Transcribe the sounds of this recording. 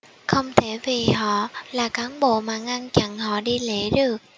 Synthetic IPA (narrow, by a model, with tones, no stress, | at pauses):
xə˧wŋ͡mt̪ʰe˧˩vi˨˩hɔ̰˧˨laː˨˩kaː˨˦nɓo̰˧˨maː˨˩ŋa˧nt͡ɕa̰˧˨ŋhɔ̰˧˨ɗi˧le˧˩˦ɗɨ˨˩ək̚